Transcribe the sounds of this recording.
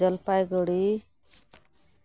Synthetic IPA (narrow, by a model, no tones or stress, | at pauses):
ʌlpajɡɔɽi